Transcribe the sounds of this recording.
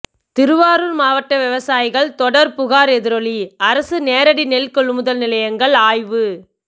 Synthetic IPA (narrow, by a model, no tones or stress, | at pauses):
t̪ɪɾɯʋaːɾɯɾmaːʋɐʈːɐʋɪʋɐsaːjɪɣɐɭt̪ɔɽɐɾpʊɣaːɾɛðɪɾɔɭiɐɾɐsɯneːɾɐɽinɛlkɔɭːɯmɯðɐlnɪlɐjɐŋɡɐɭaːjʋɯ